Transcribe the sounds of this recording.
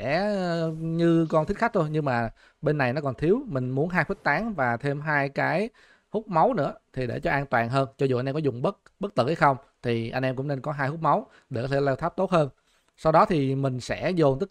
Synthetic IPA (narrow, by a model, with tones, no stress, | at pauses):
ɛ˧˥˩ | ɲɨ˧kɔ˧nt̪i˦˥k̚xa˦˥k̚t̪ʰo˧jɲɨ˧ŋmaː˨˩ | ɓe˧nːa˨˩jnɔ˨˦kɔ˨˩nt̪ʰi˨˦əwmï˨˩ŋ̟mu˨˦ənɦaː˧jfə˦˥k̚t̪aː˨˦ŋvaː˨˩t̪ʰe˧mɦaː˧jkaː˨˦j | hʊ˦˥k͡p̚ma˨˦wnɨ̰˧˥ət̪ʰi˨˩ɗḛ˧˩t͡ɕɔ˧ʔaː˧nt̪wa̰ː˨˩nɦəː˧nt͡ɕɔ˧za˧jnʔɛ˧kɔ˦zʊ˨˩ŋ͡mɓə˦˥k̚ɓə˦˥k̚t̪ɨ̰˧˩ha˨˦jxə˧wŋ͡m | t̪ʰi˨˩ʔa˧jŋ̟ɛ˧mkʊ̰˧˥ŋ͡mne˧nkɔ˨˦ɦaː˧jhʊ˦˥k͡p̚ma˨˦w | ɗe˧˩kɔ˨˦t̪ʰe˧˩lɛː˧wt̪ʰaː˦˥p̚t̪o˦˥t̚həː˧n | sa˧wɗɔ˨˦t̪ʰi˨˩mï˨˩ŋ̟sɛ̰˧˥zo˨˩nt̪ɨ˦˥